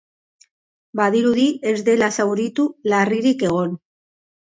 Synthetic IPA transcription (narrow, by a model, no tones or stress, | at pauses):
baðiɾuðie̞zd̪e̞lasawɾit̪ulariɾike̞ɣ̞o̞n